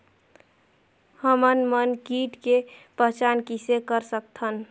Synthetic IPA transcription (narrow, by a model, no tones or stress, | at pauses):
həmənmənkiʈkepəɦt͡ʃankisekəɾsək̚t̪ʰən